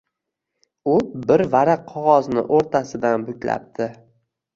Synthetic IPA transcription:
ʊbɪɾvaɾaqʰɒʁɒznɪ̰ʔoɾt̪ʰasɪd̪anbʊkʲla̰p̚t̪ʰɪ

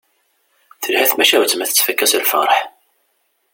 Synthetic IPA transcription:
θəlhæθmæʃæwt͡sːəmæθə̥t͡sːfækːæsəlfɑ̰ɾˤħ

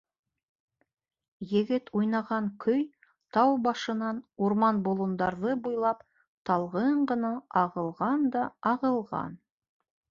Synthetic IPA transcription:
jɘ̆ɡɘt̪ʰujnɑʁɑŋkʰɵj | t̪ʰɑwbɑʃɤ̆nɑnuɾmɑnbolˠŭnd̪ɑɾðɤbujlˠɑp | t̪ʰɑlˠʁɤɴʁɤ̆nɑʔɑʁɤ̆lˠʁɑnd̪ɑɑʁɤ̆lˠʁɑ̰n

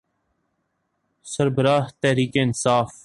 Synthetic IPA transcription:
səɾbəɾaːht̪ɛːɾiːkeːɪnsaːf

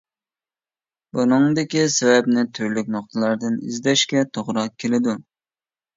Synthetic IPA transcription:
bunɨŋd̪ɪkʲisɛvɛpnɪt̪ʰyɾlykʲnoq̚t̪ʰɨlˠɑɾd̪ɨnizd̪ɛʃkʲɛt̪ʰoʁɾɑq̚kʲʰːelɪd̪u

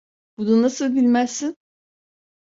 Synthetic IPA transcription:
b̥ud̪anːasɯlˠbilʲmæsːin

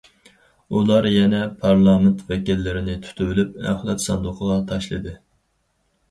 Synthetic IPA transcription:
ulˠɑɾjɛnɛpʰɑɾlˠɑːmɪnt̪ʰvɛkʲilːɪɾɪnɪt̪ʰy̥t̪ʰywylyp̚æ̰χlˠɛt̪sɑnd̪ʊqʰəʁɑt̪ʰɑʃlˠɨd̪ɨ

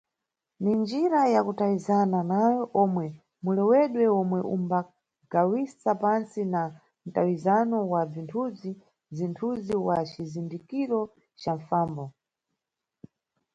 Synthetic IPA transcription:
nind͡ʒiɾajakutawizananajɔʔɔmwɛ | mulɛwɛɗwɛɔmwɛʔṵmba | ɡ̥awisapansina | n̩tawizanɔwab͡ʐintʰud͡zi | b͡ʐintʰuziwat͡ʃizindikiɾɔ | t͡ʃaɱfaːmbɔ

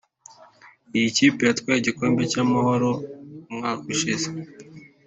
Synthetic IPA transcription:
ijicipejatkwaeɟiko̞ːmbe̞camaho̞ɾo̞mŋaːkuʃize

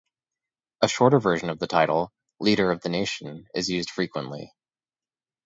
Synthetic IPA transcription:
əʃɔɹɾə˞vɜ˞ʒɨ̃nʌvðɨtʰaɪɾl̩ˠ | liɾə˞ʌvðɨneɪʃɨ̃n̩ɪ̰zjʉzd̥fɹikwə̃nʔlḭ

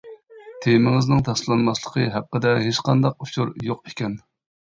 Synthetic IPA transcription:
t̪ʰemɪŋɪznɨŋt̪ʰɑslˠɑnmɑslˠə̥qʰəɦæqːəd̪ɛɦeʃqɑnd̪ɑq̚uʃʰuɾjoqekʲɛn

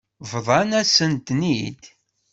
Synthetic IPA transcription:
vðˤɑnæsənt̪nid̪

